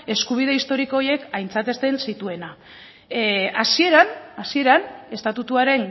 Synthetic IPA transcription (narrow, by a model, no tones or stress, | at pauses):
e̞skuβ̞iðe̞ist̪o̞ɾiko̞ːje̞kajnt͡sat̪e̞st̪e̞nsit̪ue̞na | asie̞ɾanasie̞ɾane̞st̪at̪ut̪uaɾe̞ŋ